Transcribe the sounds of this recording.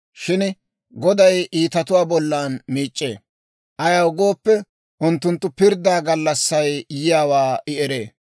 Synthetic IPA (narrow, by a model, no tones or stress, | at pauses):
ʃɪn | ɡɔd̪ɐjʔiːt̪ɐt̪ʊwaːbɔlːaːnmiːt͡ʃʼːḛː | ʔɐjaʊɡo̞ːpːɛ | ʔʊnt̪ːʊnt̪ːʊpɪɾd̪aːɡɐlːɐsːɐjjɪjaːwaːʔɪɛɾe̞̰ː